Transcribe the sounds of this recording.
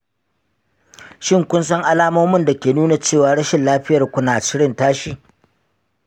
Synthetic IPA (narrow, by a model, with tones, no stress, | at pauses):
ʃɪ˦˨ŋkʷʊ˦ns̬ɐ˦ŋʔa˦laː˦moː˦mʊ˦nda˨kʲeː˨nuː˦na˨t͡ʃeː˦˨waː˨ɽɐ˦ʃɪ˨nlaː˦ɸɪ˦jɐ˨rkʷʊ˦naː˨t͡ʃɪ˦ɽɪ˦˨ntaː˦ʃiː˨